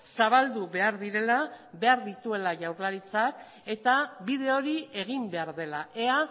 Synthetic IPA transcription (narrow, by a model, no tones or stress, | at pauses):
saβ̞ald̪uβe̞aɾðiɾe̞laβe̞aɾðit̪ue̞laʝawɾlaɾit͡sak | e̞t̪aβiðe̞o̞ɾie̞ɣimbe̞aɾðe̞laʔe̞a